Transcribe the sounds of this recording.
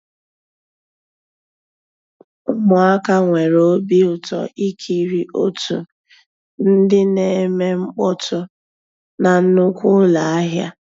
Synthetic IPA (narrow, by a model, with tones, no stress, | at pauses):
ʊ˦mʊ˨a˦ka˦ŋʷe˨ɾo˨˦bi˦ʊ˨tɔ̰˨i˦kʰi˨ɾi˨ʔo˦tu˨ | n̩˦dɪ˦ne˨˦me˦ŋ͡m̩˦k͡pɔ˦tʊ˦ | na˨n̩˦nʊ˦kʷʊ˦la˨a˦ɦja̰˦